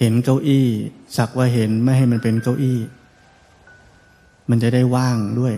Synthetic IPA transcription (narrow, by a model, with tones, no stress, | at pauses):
he˩˦nka˧wʔiː˥˩sa˨˩k̚waː˧˥˩ɦe˩˦nma˥˩jɦa˥˩jma˧npe˧nka˧˩wʔiː˥˩ | ma˧nt͡ɕa˨˩da˥˩jwaː˥˩ŋdu˥˩əj